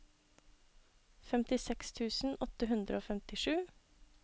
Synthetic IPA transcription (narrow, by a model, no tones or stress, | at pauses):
fɛmt̪ɪsɛkst̪ʰʉːsn̩ɔt̪əɦʉnd̪ɾə̰oːfɛmt̪ɪʂʉː